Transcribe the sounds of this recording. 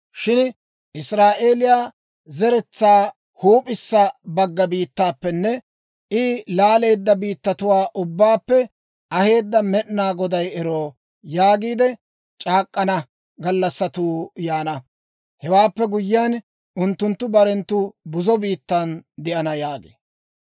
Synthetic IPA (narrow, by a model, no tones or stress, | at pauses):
ʃɪn | ʔɪsɾaːʔeːlɪjaː | zɛɾɛt͡sːaː | huːpʼɪsːɐbɐɡːɐbiːt̪ːaːpːɛnːɛ | ʔɪlaːle̞ːd̪ːɐbiːt̪ːɐt̪ʊwaːʔʊbːaːpːɛ | ɐhe̞ːd̪ːɐmɛʔnaːɡɔd̪ɐjɛɾoː | jaːɡiːd̪ɛ | t͡ʃʼaːkʼːɐnɐ | ɡɐlːɐsːɐt̪uːjaːnɐ | hɛwaːpːɛɡʊjːɪjan | ʔʊnt̪ːʊnt̪ːʊbɐɾɛnt̪ːʊbʊzɔbiːt̪ːɐnd̪ɪʔɐnɐjaːɡḛː